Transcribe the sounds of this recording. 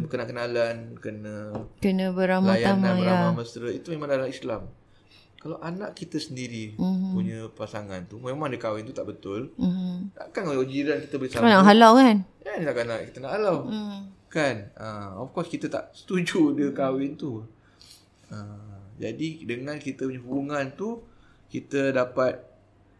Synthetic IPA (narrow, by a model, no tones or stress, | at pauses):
bəkənakənalankənə̃kənə̃bəɾamajaamaaəjɾamaməst̪ɾəit̪umemãŋdalaislam | kalawʔanaʔkit̪əsəndiɾimpuɲəpasaŋant̪umemãŋdəkawɪnut̪aʔbət̪ʊl̩na̰kanolwod͡ʒiɾankit̪əbəlisaanaʔɦalakanjanit̪aʔkanaʔkit̪ənaʔalaw | kanəɔ̰fkɔskit̪at̪a̰ʔsə̥t̪ud͡ʒudəkawɪnt̪u | əd͡ʒadidəŋãnkit̪əpuɲəɦubuŋant̪u | kit̪ədapat̪̚